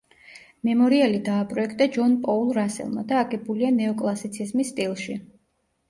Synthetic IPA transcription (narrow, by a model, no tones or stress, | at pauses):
mɛmɔɾialid̪aːpʼɾɔɛkʰt̪ʼad͡ʒɔnpʼɔulˠɾasɛ̰lˠma̰d̪aːɡɛbulianɛɔkʼlˠasit̪sʰizmisːt̪ʼilˠʃi